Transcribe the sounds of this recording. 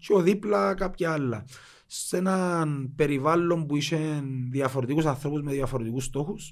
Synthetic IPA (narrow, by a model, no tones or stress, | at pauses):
ceoðiplɐkɐpçɐɐlːɐ̰ | senɐnpe̞ɾivɐlːo̞mbuiʃenðiɐfoɾet̪ikusɐnθɾo̞puzmeðjɐfoɾeikust̪o̞xus